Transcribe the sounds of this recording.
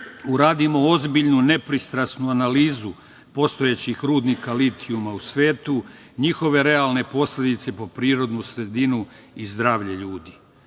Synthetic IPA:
uɾaːd̪imo̞ozbiʎnune̞pɾist̪ɾasnuanaliːzu | po̞st̪o̞jet͡ɕixɾuːd̪nikalit̪ʰiumausʋe̞ːt̪u | ɲixo̞ʋe̞ɾe̞alne̞po̞sle̞d̪it̪se̞po̞pɾiːɾo̞d̪nusɾe̞d̪inu | izd̪ɾaːʋʎe̞ʎuːd̪i

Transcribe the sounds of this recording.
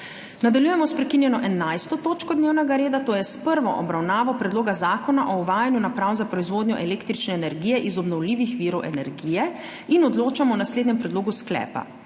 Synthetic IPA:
nad̪aljujɛmɔspɾɛkinjɛnɔʔɛnajst̪ɔt̪oːt͡ʃkɔd̪neːwnɛɡaɾeːd̪at̪oːjɛspəɾʋɔʔɔbɾawnaːʋɔpɾɛd̪loːɡazaːkɔnaʔɔuʋaːjanjunapɾawnzapɾɔizʋoːd̪ɲɔʔɛleːkt̪ɾit͡ʃnɛːnɛɾɡijɛʔizɔbnɔwliːʋixʋiːɾɔwʔɛ̰nɛɾɡiːjɛ | inɔd̪loːt͡ʃamɔwnasleːd̪ɲɛmpɾɛd̪loːɡusklɛ̰ːpa̰

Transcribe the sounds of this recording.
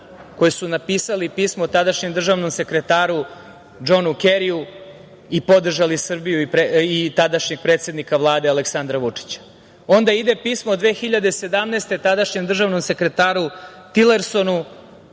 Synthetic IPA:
ko̞jisunapiːsalipiːsmot̪ad̪aʃɲe̞md̪r̩ʒaʋno̞mse̞kɾe̞t̪aːɾu | d͡ʒo̞nukeɾiu | ipo̞d̪r̩ʒalisr̩bijuipeit̪ad̪aʃɲeɡ̥̚pɾe̞ːt̪sʲe̞d̪nikaʋlˠaːd̪e̞aleksand̪ɾaʋut͡ʂi̥t͡ɕḁ | o̞nd̪aid̪e̞piːsmod̪ʋexiʎad̪e̞se̞d̪amnest̪e̞t̪ad̪aʃɲemd̪r̩ʒaːʋno̞mse̞kɾe̞t̪aːɾut̪ile̞ɾso̞nu

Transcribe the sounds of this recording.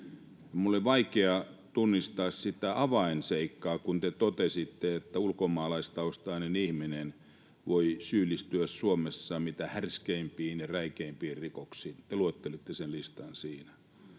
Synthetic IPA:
jɑmulːolʲiʋɑikeɑt̪unːist̪ɑːssit̪æʔɑʋɑinseikːɑːkunt̪et̪ot̪esit̪ːeet̪ːæulkomɑːlɑist̪ɑost̪ɑinenihminen | ʋoisyːlːˑist̪yæssuomesːɑmit̪æhærskeimpiːniræikeimpiːrikoksiːt̪eluot̪ːelit̪ːesenlist̪ɑnsiːnæ

